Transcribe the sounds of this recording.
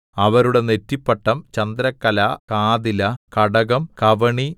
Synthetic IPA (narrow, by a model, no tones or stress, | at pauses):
ɐʋɐɾuɽe̞netːipːɐʈːɐmt͡ɕɐnd̪ɾɐkːɐlakaːd̪ilɐkɐɽɐɣɐmkɐʋɐɳi